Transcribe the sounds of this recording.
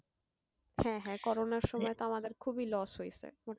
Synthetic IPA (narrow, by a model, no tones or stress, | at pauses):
hɛ̃ɦɛ̃kɔɾonaɾʃɔmɔet̪oamad̪eɾkʰubilɔsɦojt͡ɕʰḛmo